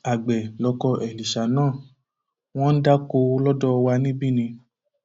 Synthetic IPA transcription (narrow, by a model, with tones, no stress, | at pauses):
a˨ɡ͡bɛ˨lɔ˧kɔ˧ʔɛ˨li˨ʃa˨˦nãː˦˨ | w̃ɔ̃˦n̩˦da˦ko˧lɔ˦dɔ˦˧wa˧nĩ˦bi˦˨nĩ˧